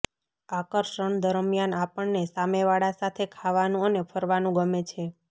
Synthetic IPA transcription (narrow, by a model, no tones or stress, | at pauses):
akəɾʃəɳd̪əɾəmjanapəɳnesameʋaɽasat̪ʰekʰaʋanũənepʰəɾʋanũɡəmet͡ʃʰe